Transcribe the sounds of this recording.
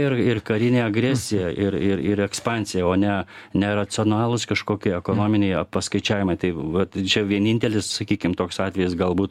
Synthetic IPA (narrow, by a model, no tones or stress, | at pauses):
ɪrɪrkɐɾʲɪnʲeːɐɡɾʲæːsʲɪjɛʔɪɾɪɾɪɾɛkspɑːnʲsʲɪjɛoːnʲɛnʲɛɾɐt͡ssʲɪoːnɑːlˠʊskɐʃkoːkʲɪɛkoːnoːmʲɪnʲɛɪɐpɐskɐɪt͡ʃʲæːʋʲɪmɐɪt̪ɐɪʋɐt̪t͡ʃʲɛʋʲiɛnʲɪnʲt̪ʲɛlʲɪssɐkʲiːkʲɪmt̪oːksɑːt̪ʲʋʲɛjɪsɡɐlˠbuːt̪